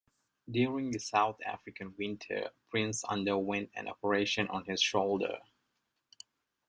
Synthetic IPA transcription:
djʊɹɪ̃ŋðɨsaʊθæ̰fɹɨkɨ̃nwɪ̃ntʰə̰˞pʰɹ̥ɪ̃nsʌ̰̃ndə˞wɛ̃ntɨ̰̃nɔ̰pə˞eɪʃɨ̃nʔə̰̃nɪz̥ʃoʊlˠdə̰˞

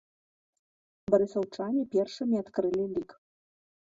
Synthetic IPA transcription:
bɐɾɨsɐwt͡ʂanʲipʲɛrʂɨmʲiat̪kɾɨlʲilʲik

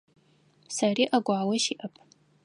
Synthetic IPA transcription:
sɐriːʔɐɡʷaːwɐʃiːʔɐpʰʼ

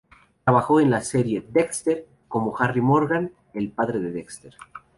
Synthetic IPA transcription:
t̪ɾaβaxo̞e̞nlaseɾje̞d̪ekst̪eɾ | ko̞mo̞xarimo̞ɾɣan | e̞lpaðɾe̞ðe̞ðekst̪eɾ

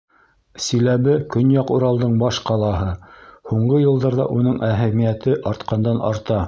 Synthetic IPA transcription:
silæβɘkɵnjɑquɾɑlˠd̪ɤɴbɑʃqɑlˠɑɦɤhuɴɢɤjɤ̆lˠd̪ɑɾðɑ̰ʔunɤɴʔæɦæmijæt̪ɘʔɑɾt̪qɑnd̪ɑnʔɑ̰ɾt̪ɑ

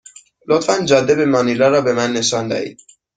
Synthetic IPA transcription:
lot̪fænd͡ʒɒːd̪ːebemɒnilɒɾɒːbemænːe̞ʃɒːnd̪æ̰hḭːd̪̥

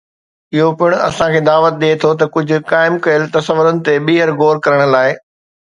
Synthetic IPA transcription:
ɪɦopɪɽ̃ɐ̰sãkʰeːd̪aːʋət̪̚ɗ̪iet̪ʰot̪ɐkʊd͡ʑʱʊ̆kaːɪmkɐjəlt̪ɐsəʋʊɾənɪ̆t̪eɓiːɦəɾɡoːɾkɐɾəɽ̃laːɪ

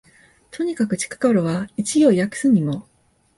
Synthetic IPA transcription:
t̪ʰo̞ɲ̟ikakɯ̟t͡ɕi̥kḁkaɾoβait͡ɕijo̞ijakɯ̥sɨɲ̟imo̞

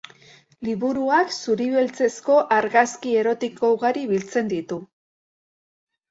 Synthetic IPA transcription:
liβuɾuaksuɾiβelt͡se̞sko̞ʔaɾɣaskie̞ɾo̞t̪iko̞uɣaɾiβilt͡se̞nd̪it̪u

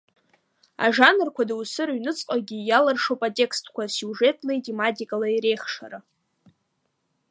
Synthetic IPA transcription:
a̰ʐanɨrkʷʰadawsɨɾɥnɨt͡sʼqʼaɡʲijalarʂowpʼatʼe̞kstʰkʷʰasjuʐe̞tʼlejtʼimatʲʼikʼalaiɾe̞jχʂa̰ɾa

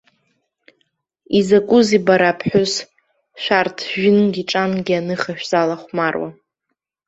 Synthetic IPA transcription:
izakʷʼʊzibaɾapʰħʷᶣʊs | ʃʷᶣartʰʒɪnɡʲiʈ͡ʂʼanɡʲianɨχaʃᶣz̥alaχʷmarwa̰

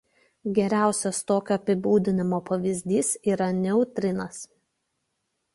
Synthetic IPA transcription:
ɡʲɛɾʲæˑʊsʲɛst̪oːkʲoːɐpʲɪbuːd̪ʲɪnʲɪmoːpɐʋʲɪzʲd̪ʲiːsiːɾɐnʲɛʊt̪ʲɾʲɪnɐs

